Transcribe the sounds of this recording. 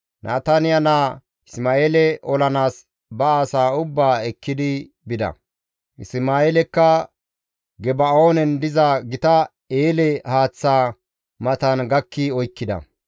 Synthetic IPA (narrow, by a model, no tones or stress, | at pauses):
nʔa̰ːt̪ɐnɪjɐnaː | ɪsmaːeːlɛʔɔlɐnaːs | bɐaːsaːʊbːaːɛkːɪd̪ɪ | bɪd̪ɐ̰ | ɪsmaːeːlɛkːɐ | ɡɛbɐo̞ːnɛnd̪ɪzɐɡɪt̪ɐ | eːlɛhaːt͡sːaː | mɐt̪ɐnɡɐkːɪɔjkːɪd̪ɐ̰